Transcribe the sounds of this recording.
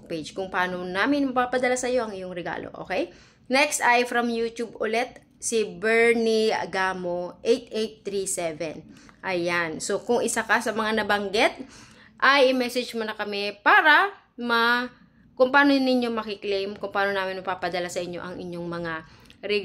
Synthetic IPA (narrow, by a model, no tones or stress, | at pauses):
ped͡ʒkʊŋpɐʔaːnonaːmɪnmɐpaːpɐd̪ɐlasɐjo̞ʔɐŋɪjoŋɾɛɡa̰lo̰ʔo̰ːkɛj | nɛkst̪ʔajfɾɐmjuːt̪ubʊlɛt̪̚ | sɪbɛɹniɐ̰ɡamo̞ʔejt̪̚ʔejt̪ːɾisɛvɛnʔɐjanso̞kʊŋʔɪsakasɐmɐŋanɐbɐŋɡɛt̪̚ | ʔɐjʔɪmɛsɛd͡ʒmonɐkɐmɛpaːɾɐ | mɐ | kʊŋpɐaːnonɪɲːo̞mɐkɪklejmkʊŋpaːno̞naːmɪnmɐpaːpɐd̪ɐlasɐʔɪɲːo̞̰ʔɐŋʔɪɲjo̞ŋmɐŋa | ɾɛ